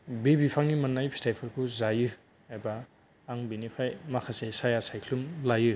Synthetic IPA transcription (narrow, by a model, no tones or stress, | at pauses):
bebipʰaŋnimanːajpʰi̥stajpʰɯɾkʰuzajɯ | ajbaː | ŋbinipʰajmakʰasesajasajkʰlumlajɯ